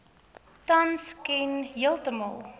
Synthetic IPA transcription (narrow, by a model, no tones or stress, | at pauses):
tɐnskɛnɦiəlˠtəmə̰lˠ